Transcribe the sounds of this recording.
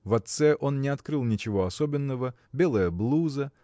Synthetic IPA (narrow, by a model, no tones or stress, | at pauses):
vɐt̪sɛʔo̞nnʲɪɐt̪kɾɨlˠnʲɪt͡ɕɪvo̞ɐsobʲɪnːəvə | bʲe̞lˠəjəblˠuzə